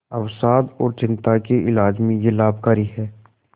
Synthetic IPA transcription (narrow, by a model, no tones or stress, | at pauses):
ɐwsaːd̪ɔːɾt͡ʃɪ̃nt̪akeʔɪlaːd͡ʒmẽjelaːbkaːɾiɦɛː